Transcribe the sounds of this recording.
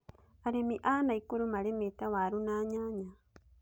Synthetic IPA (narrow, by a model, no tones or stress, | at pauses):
aɾemiʔaːnaikuɾumaɾemet̪awaɾunaːɲaɲa